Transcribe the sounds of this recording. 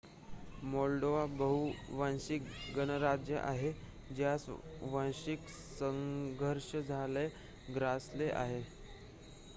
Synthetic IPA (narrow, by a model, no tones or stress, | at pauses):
mɔlɖoʋabəɦuʋãnɕikɡənəɾad͡ʑjə̰ʔaɦe | d͡ʑjasʋãnɕik | səŋɡʱəɾʂəd͡zʱale | ɡɾasleʔa̰ɦe